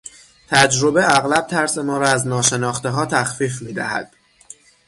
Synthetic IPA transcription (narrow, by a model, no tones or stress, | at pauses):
t̪ʰæd͡ʒɾo̞beæɣlæb̚t̪ʰæɾse̞mɒːɾɒːæznɒːʃe̞nɒːxt̪eɦɒːt̪ʰæxfiːfmiːd̪æ̰hæ̰d̪̥